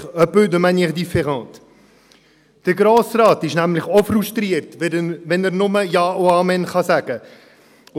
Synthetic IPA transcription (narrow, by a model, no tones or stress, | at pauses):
œpød̪əmænjəχdifɛʁɑ̃ːt | d̥əɾɡɾoːsrɑːtɪʃnæmlɪχɔfɾuʃtɾiəɾtʋɛnəɾnʊməjɑːʔoɑːmɛnχɑsæɡ̥ə